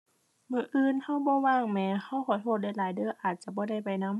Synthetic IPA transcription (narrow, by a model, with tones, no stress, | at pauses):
mɯː˧˩ʔɯː˧˨nha˧˥˩wbɔː˧˦waː˧˩ŋmɛː˧ha˧˥˩wxʰɔː˨˦t̪ʰoː˧˨t̪̚da˧˥˩jlaː˨˦jdɯː˧˥˨ʔaː˨˩t̪̚t͡ɕa˧˦bɔː˧˦da˥˩˨jpa˨jna˧˥˨m